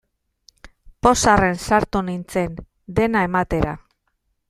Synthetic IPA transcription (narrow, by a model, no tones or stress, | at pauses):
po̞sare̞nsaɾt̪unint͡se̞n | d̪e̞naemat̪e̞ɾa̰